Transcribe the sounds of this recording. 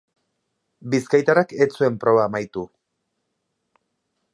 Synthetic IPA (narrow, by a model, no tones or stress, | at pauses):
biskajt̪aɾaket͡sue̞mpɾo̞βaːmajt̪u